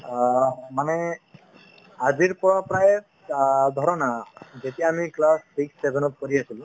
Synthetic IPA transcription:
mane | ad͡ʒiɾpɔɾɔpɾae | d̪ʱɔɾɔnad͡ʒet̪iamiklassiksːebʱenɔt̪̚kɔɾiasilu

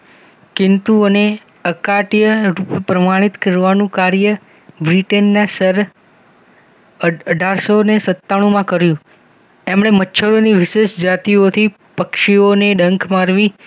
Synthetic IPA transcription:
kɪnt̪uəne | əkaʈjəɾuppɾəmaɽ̃it̪kəɾʋanũkaɾjə | bɾiʈenːãsəɾ | əəɖʱaɾsonesət̪ːaɽ̃ũmãkəɾjũ | emɽ̃emətːʃʰəɾoniʋɪʃeʃd͡ʒat̪iot̪ʰi | pəkʃioneɖəŋkʰmaɾʋi

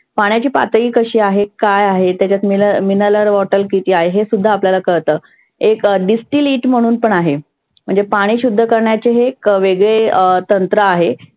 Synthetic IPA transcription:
paɳ̃jat͡ɕiːpa̰t̪iːkəɕiːaɦekajaɦet̪jat͡ɕjat͡smiləminələɾʋɔʈəlkit̪iːaɦeɦesud̪ʱːaːpljalakəɾt̪əː | ekɖisʈiliːʈm̤əɽ̃uːnpəɳaɦe | m̤əɳd͡zepaɽ̃iːɕud̪ʱːəkəɾɳjat͡ɕeɦeːkʋeɡɭet̪ənt̪ɾəaɦe

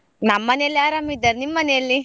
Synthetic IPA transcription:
nɐmːɐnejɐlːiaːɾamːid̪ːɐɾnimːɐnejɐlːi

